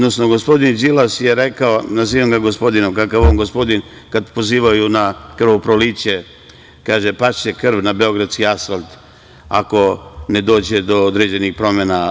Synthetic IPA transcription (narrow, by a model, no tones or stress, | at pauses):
d̪nosno̞ɡospo̞d̪ind͡ʒilasjeɾekaonaziːʋamɡaɡo̞spo̞d̪ino̞mkakaʋoːnɡo̞spo̞d̪in | kad̪po̞ziːʋajunakr̩ʋopɾolit͡ɕe | kaːʒepaʃekr̩ʋnabe̞o̞ɡɾad̪skiasfalt̪ | a̰ko̞ned̪o̞ːd͡ʑed̪o̞od̪ɾeːd͡ʑenixpɾo̞mena